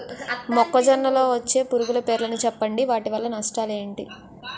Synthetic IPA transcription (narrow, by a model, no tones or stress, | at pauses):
mɔkːɐd͡ʒɐnːɐlo̞ːʋɐt͡ʃːe̞ːpuɾuɡulɐpe̞ːɾulɐnut͡ʃɛpːɐɳɖiʋaːʈiʋɐlːɐnɐʂʈaːle̞ːɳʈi